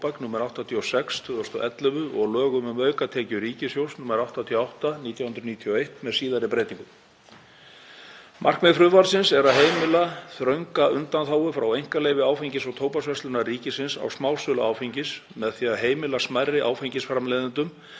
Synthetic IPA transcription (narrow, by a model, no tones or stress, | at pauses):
paknuːmɛɾawht̪at̪ʰiosɛkst̪ʰːðɔst̪ɔʔɛt̪lɛvʏɔɣlœːɣʏmʏmœːɥkat̪ʰɛːcʏɾiːcɪsjowsnuːmɛɾawht̪at̪ʰiɔawht̪aniːt̪jawhʏnɾniːt̪ʰijoejht̪mɛðsiːðaɾɪpɾeːjt̪iŋkʏm | mʔar̥kmɛfɾʏðvaɾsɪnsɛɾaðɦeːjmɪlaθɾœɥŋkaʏnt̪anθaːwʏfɾawejŋ̥kalejvɪaːwfeɲcɪsɔɣt̪ʰoːwpasvɛslʏnariːcɪsɪnsa̰wsmaːwsʏlaaːwfiɲcɪsmɛðθiːaðɦeːjmɪlasmajrːɪʔa̰ːwfejɲcɪsfɾamleːjðɪnt̪ʏm